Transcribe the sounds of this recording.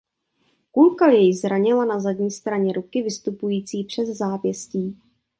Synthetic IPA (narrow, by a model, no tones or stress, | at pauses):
kulkaljɛjɪzɾaɲɪlanazadɲiːst̪ɾaɲɛɾukɪvɪst̪upujiːt͡siːpr̝̥ɛzzaːpjɛsciː